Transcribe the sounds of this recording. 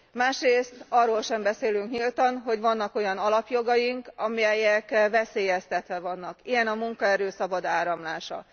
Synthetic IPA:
maːʃreːst̪ɒrːoːlʃɛmbɛseːlyŋkɲilt̪ɒnɦo̞ɟʋɒnːɒko̞jɒnɒlɒpjo̞ɡɒjiŋkɒmijɛjɛkvɛseːjɛst̪ɛt̪ʋɛvɒnːɒkijɛnɒmuŋkɒɛɾøːsɒbɒd̪aːɾɒmlaːʃɒ̰

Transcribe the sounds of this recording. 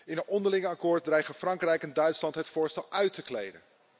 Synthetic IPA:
ɪnənɔndəɹlɪŋəɑkʊːɹt̚drɛjχənfrɑŋkrɛjkɛndœɥtslɑntɦətfʊːɹstɛlˠœɥtəklḛjdə̰n

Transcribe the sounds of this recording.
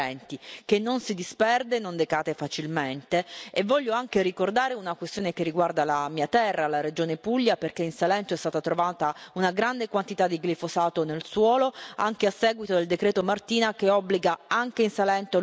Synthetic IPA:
ɛnt̪ik̟enːonsid̪ispɛrd̪enond̪ekaːt̪efat͡ʃilment̪eevːɔʎːoaŋkeɾikord̪aːɾeunakwest̪joːnekerːiɡward̪alamiːat̪ɛrːalaɾed͡ʒoːnepuʎːaperkeinsalɛnt̪oɛst̪aːt̪at̪ɾovaːt̪aunaɡɾand̪ekwant̪it̪ad̪ːiɡlifosaːt̪onelswɔːloa̰ŋkeasːɛːɡwit̪od̪eld̪ekɾɛːt̪omart̪iːnakeɔbːliɡaaŋkeinsalɛnt̪o

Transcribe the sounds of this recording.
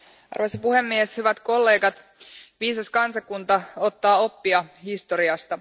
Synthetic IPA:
ʔɑ̰rʋosipuhe̞mːieshyʋæt̪ko̞lːe̞ːɡɑt̪ | ʋiːsɑskɑnsɑkːunt̪ɑo̞t̪ːɑːo̞pːiɑhist̪o̞ɾiɑst̪ɑ

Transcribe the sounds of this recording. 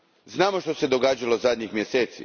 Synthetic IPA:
znaːmoʃt̪o̞se̞d̪o̞ɡaːd͡ʒalo̞zad̪ʲɲixmje̞se̞ːt̪sḭ

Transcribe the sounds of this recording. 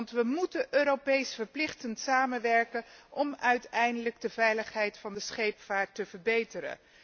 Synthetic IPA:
ntʋəmutənʔøːɾopejsfəɹplɪχtəntsaːmənʋɛɹkənʔɔmœɥtɛjndələɡ̚dəvɛjləχɦɛjtfɑndəsχejpfaːɹtːəvəɹbejtəɾə̰n

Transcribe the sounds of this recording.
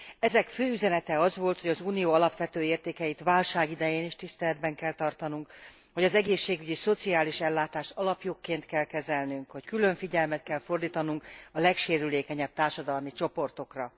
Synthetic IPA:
ɛzɛkføːyzɛnɛt̪ɛɒzʋo̞lt̪ho̞ɟɒzuːnijoːɒlɒpʋɛt̪øːeːrt̪eːkɛjit̪ʋaːlʃaːɡid̪ɛjeːniʃt̪ist̪ɛlɛd̪bɛŋkɛlt̪ɒrt̪ɒnuŋk | ho̞ɟɒzɛɡeːʃːeːɡyɟiso̞t̪siaːliʃɛlːaːt̪aːʃtɒlɒpjokːeːnt̪kɛlkɛzɛlnyŋkho̞ckylø̞ɱfiɟɛlmɛt̪̚kɛlfo̞rd̪iːt̪ɒnuŋkɒlɛkʃeːɾyleːkɛɲɛb̚t̪aːrʃɒd̪ɒlmit͡ʃo̞po̞rt̪o̞krɒ

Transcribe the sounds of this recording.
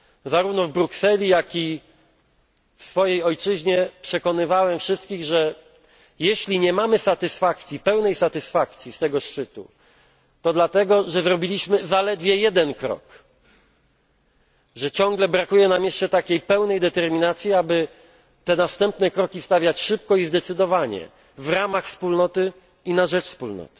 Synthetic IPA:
zaɾuvnɔvbɾuksɛlʲijakʲi | fsfɔjejɔjt͡ʂɘʑɲɛpʂɛkɔnɘvawɛmfʂɘst̪kʲiɣʐɛ | jɛɕlʲiɲɛmamɘsat̪ɘsfak̚t̪sʲipɛwnɛjsat̪ɘsfakt̪sʲist̪ɛɡɔʂt͡ʂɘt̪ṵ | t̪ɔd̪lat̪ɛɡɔʐɛzɾɔbʲilʲiɕmɘzalɛd̪vʲjɛjɛd̪ɛnkɾɔ̰k | ʐɛt͡ɕɔ̃ŋɡlɛbɾakujɛnamjɛʂt͡ʂɛt̪akʲejpɛwnɛjd̪ɛt̪ɛɾmʲinat̪sʲjiabɘ | t̪ɛnast̪ɛmpnɛkɾɔkʲist̪avʲjat͡ɕʂɘp̚kɔizd̪ɛt̪sɘd̪ɔvaɲɛ̰ | vɾamaxfspulnɔt̪ɘ | inaʐɛt͡ʂfspulnɔ̰t̪ɘ̥

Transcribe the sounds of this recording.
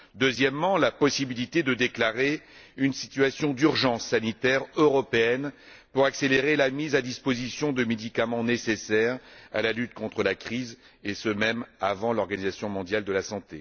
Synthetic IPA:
d̪øzjɛmːɑ̃lapɔsibilit̪ed̪əd̪eklaʁeynsi̥t̪ɥasjɔ̃d̪yʁʒɑ̃sːanit̪ɛʁøʁɔpeɛn | puʁakseleʁelamizad̪ispozisjɔ̃d̪əmed̪ikamɑ̃nesesɛʁa̰lalyt̪kɔ̃t̪χəlakχiz | esəmɛmavɑ̃lɔʁɡanizasjɔ̃mɔ̃d̪jald̪əlasɑ̃t̪e

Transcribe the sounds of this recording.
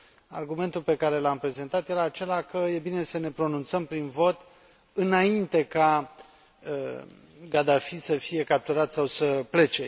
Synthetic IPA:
arɡume̞nt̪ulpe̞kaɾe̞lampɾe̞ze̞nt̪at̪jeɾeat͡ʃe̞lakəje̞bine̞səne̞pɾo̞nunt̪səmpɾinvo̞t̪ | ɨnaint̪e̞ka | ə | ɡad̪afisəfije̞kap̚t̪uɾat̪sawsəple̞t͡ʃe̞

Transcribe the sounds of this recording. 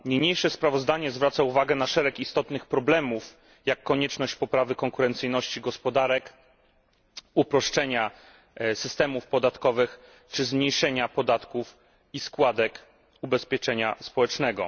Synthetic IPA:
ɲeɲejʂɛspɾavɔzd̪aɲɛzvɾat̪sauvaɡɛnaʂɛɾɛkist̪ɔt̪nɘxpɾɔblɛmuf | jakːɔɲɛt͡ʂnɔɕt͡ɕpɔpɾavɘkɔŋkuɾɛnt̪sɘjnɔɕt͡ɕiɡɔspɔd̪aɾɛk | upɾɔʂt͡ʂɛɲa | sɘst̪ɛmufpɔd̪at̪kɔvɘx | t͡ʂɘzmɲejʂɛɲapɔd̪at̪kuf | iskwad̪ɛk | ubɛspʲjɛt͡ʂɛɲaspɔwɛt͡ʂnɛɡɔ̰

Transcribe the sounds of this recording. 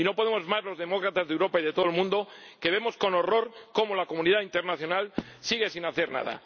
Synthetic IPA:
ino̞po̞ð̞emo̞zmazlo̞zð̞e̞mo̞kɾat̪azðewɾo̞paiðet̪o̞elmũnd̪o̞ | ke̞β̞e̞mo̞sko̞no̞ro̞ɾko̞molakomũniðaint̪eɾnaθjo̞nalsiɣ̞e̞sinaθe̞ɾna̰ð̞a̰

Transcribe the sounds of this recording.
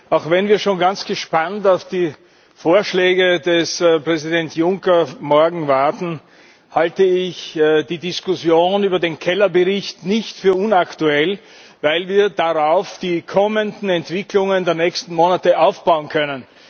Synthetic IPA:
ʔaʊxvɛnviːɐʃoːnɡant͡sɡ̥əʃpantaʊfd̥iː | foːɐʃlɛːɡədɛspʁ̥ɛzidɛntjʊŋkɐmɔɐɡŋ̩vaɐtn̩ | haltəɪçd̥iːdɪskʊsjoːnyːbɐdeːnkʰɛlɐbəʁɪçtnɪçtfyːɐʊnaktuɛl | vaɪlviːɐd̥aʁaʊfd̥iːkʰɔməndn̩ɛntv̥ɪklʊŋəndeːɐnɛːçstn̩moːnatəʔaʊfb̥aʊənkʰœnən

